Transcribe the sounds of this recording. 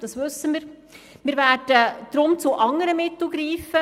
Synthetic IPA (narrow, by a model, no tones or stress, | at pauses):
d̥ɑsʋʉsːəmiːɾ | miːɾvæːd̥əd̥ɾʊmt͡suʔɑŋəɾəmɪt̪l̩ˠɡɾiːfə